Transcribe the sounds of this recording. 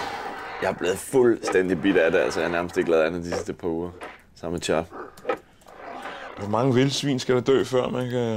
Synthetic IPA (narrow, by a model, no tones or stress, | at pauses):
jɑ̈æɐb̥le̝ːð̩ˠfulsd̥en̰d̥ib̥id̥æd̥eælsəjɑhnæɐməsd̥e̝ɡ̥lɛːænð̩ˠd̥isisd̥əpʰɑ̈uːɐ | sɑ̈m̰met͡ɕʰɑ̈ːl | ʋɒmɑ̈ŋəʋe̝lsʋḭːnsɡ̥æɾ̥ɑd̥ø̰ːfɶɐ̰mækʰ